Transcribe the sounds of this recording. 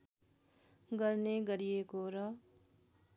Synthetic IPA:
ɡʌrneɡʌɾijekoɾʌ

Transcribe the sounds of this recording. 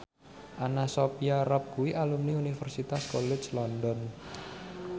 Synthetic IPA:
ʔanasopiaɾɔp̚ɡuwiʔalumniunifərsit̪askɔlɛd͡ʒlɔndɔn

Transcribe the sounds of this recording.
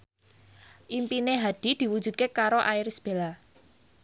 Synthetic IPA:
ʔimpineɦad̪̥i̤d̪̥i̤wu̥d͡ʒ̥ṳd̪̚kekaɾoʔaiɾisb̥e̤la

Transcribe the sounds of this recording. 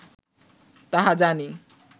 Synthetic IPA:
t̪aɦãd͡zani

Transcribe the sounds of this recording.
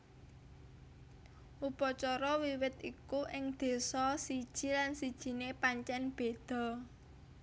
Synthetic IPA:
ʔupɔt͡ʃɔɾɔwiwɪt̪ikuʔɪŋd̪̥e̤sɔsid̥ʒ̥i̤lansid̥ʒ̥i̤nepaɲt͡ʃɛnb̥e̤d̪̥ɔ̤

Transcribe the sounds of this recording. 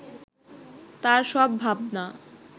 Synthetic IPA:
t̪aɾʃɔbːʱabna

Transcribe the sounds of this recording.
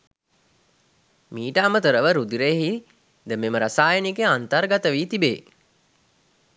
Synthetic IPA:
miːʈəamət̪əɾəʋəɾud̪iɾeɦi | d̪əmeməɾasaːjənikeant̪ərɡat̪əʋiːt̪ibeː

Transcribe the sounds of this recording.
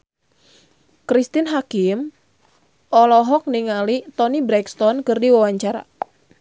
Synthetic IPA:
kɾist̪inɦakɪm | ʔɔlɔɦɔk̚niŋalit̪ɔnibɾɛkst̪ɔnkɨrdiwawaɲt͡ʃaɾa̰

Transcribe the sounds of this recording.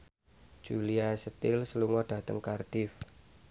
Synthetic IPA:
d͡ʒ̥uliasət̪ɪlsəluŋɔɖ̥a̤t̪əŋkard̥ɪf

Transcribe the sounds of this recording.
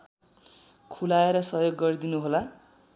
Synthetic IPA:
kʰulaeɾʌsʌɦjoɡːʌrd̪inuɦola

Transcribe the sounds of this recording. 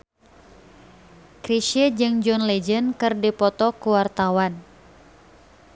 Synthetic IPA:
kɾiʃid͡ʒɨŋd͡ʒɔnlɛd͡ʒənkɨrdipɔt̪ɔkuwart̪awan

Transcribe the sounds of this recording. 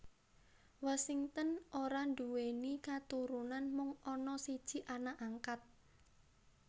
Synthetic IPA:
wasiŋt̪ənʔoɾanɖ̪uwenikat̪uɾunanmʊŋɔnɔsid̥ʒ̥i̤ʔanaʔaŋkat̪̚

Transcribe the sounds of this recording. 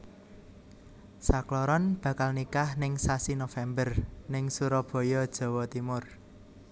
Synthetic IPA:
saklɔɾɔnb̥ä̤kalnikahnɪŋsasinofɛmbərnɪŋsuɾɔb̥ɔ̤jɔd̥ʒ̥ɔ̤wɔt̪imʊr

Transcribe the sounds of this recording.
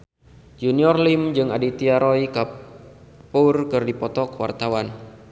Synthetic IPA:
d͡ʒuniɔrlimd͡ʒɨŋadit̪iaɾɔika | purkɨrdipɔt̪ɔkwa̰rt̪awan

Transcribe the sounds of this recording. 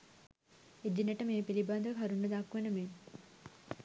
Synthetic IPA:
ed͡ʒinɐʈəmeːpilibaːd̪ɐkʰaɾuɳɖɐd̪aːkːuʋenəmeːn

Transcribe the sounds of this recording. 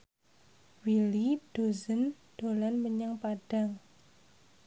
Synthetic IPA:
wilid̥o̤zən | d̥olanməɲəŋpaɖ̥a̤ŋ

